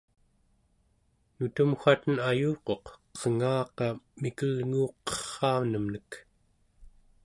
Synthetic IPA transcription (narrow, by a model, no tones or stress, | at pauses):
nut̪əmxʷat̪ənajuːqo̞qʌʁŋɑːqɑmikəlŋuːqʌ̥χːɑːvnəmnək